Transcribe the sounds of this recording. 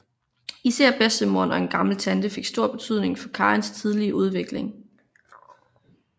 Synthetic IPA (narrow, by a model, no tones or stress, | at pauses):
iseɐ̰b̥esd̥əmo̝ɐnɒ̽e̝nɡ̥ɑ̈ml̩t͡sʰænd̥əfe̝ɡ̥sd̥o̝ɐ̰b̥e̝t͡sʰyð̰ˠne̝ŋfɒ̽kʰɑ̈ːenst͡sʰið̞ˠliəʔuð̞ˠʋe̝ɡ̥le̝ŋ